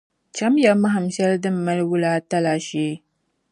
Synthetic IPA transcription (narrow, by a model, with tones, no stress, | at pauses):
t͡ʃɐ˦mja˨ma˦ɦa˨mʃɐ˦ldɨ˦mːɐ˦lwʊ˦laː˦tɐ˦laː˨ʃeː˦